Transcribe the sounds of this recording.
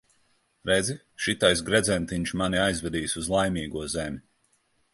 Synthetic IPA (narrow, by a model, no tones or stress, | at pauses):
ɾed̪zi | ʃit̪ajs̬ɡɾɛd̪zʲɛnt̪iɲt͡ʃmaniajzvʲɛd̪iːsuzlˠajmʲiːɡuɔzemʲi